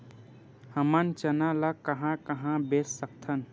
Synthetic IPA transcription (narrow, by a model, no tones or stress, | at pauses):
həmənt͡ʃənalakəɦãkəɦãbessək̚t̪ʰən